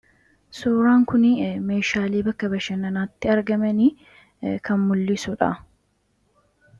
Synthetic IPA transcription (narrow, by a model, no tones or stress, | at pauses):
suːɾaːŋkʊnɪme̞ːʃaːleːbɐkːɐbɐʃɐnɐnaːt̪ːɪɐɾɡɐmɐni | kʰɐmmʊlːɪsʊᶑɐ̰